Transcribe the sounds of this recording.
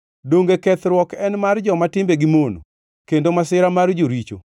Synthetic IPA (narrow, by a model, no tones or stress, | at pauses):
doŋɡekɛt̪ɾwɔkɛnmard͡ʒɔmatɪmbeɡimono̰ | kendomasɪɾamard͡ʒoɾit͡ʃo̰